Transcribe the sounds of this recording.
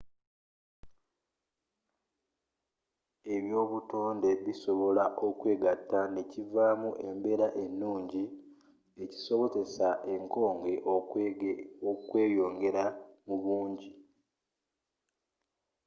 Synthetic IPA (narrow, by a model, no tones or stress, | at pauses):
e̞βjo̞ːβuto̞ːnde̞βiso̞βo̞laʔo̞kwe̞ːɡatːane̞civaːmuʔe̞mbe̞ɾaʔe̞nːuːɲɟi | e̞ci̥so̞βo̞ze̞saʔe̞ŋko̞ːŋɡe̞ʔ | okwe̞ːjo̞ːŋɡe̞ɾamuβuːɲɟi